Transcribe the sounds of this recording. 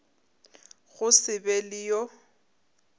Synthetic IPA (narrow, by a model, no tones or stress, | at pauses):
ɣʊsɪbɛlɪjɔ